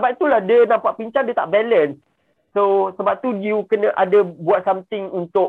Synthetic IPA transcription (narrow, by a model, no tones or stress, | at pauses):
səbap̚t̪ulahdənãmpaʔpiɲt͡ʃandiət̪a̰ʔbɛləns | sosəbap̚t̪udiukənə̃ʔadəbuat̪̚samt̪ɪŋunt̪ʊʔ